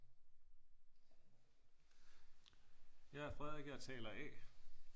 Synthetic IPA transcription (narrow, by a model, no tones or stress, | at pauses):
jɑ̈ɪæɐfʁɛðˠe̝ɡ̥əjɑ̈t͡sʰɛ̰ːlɐʔɛ̰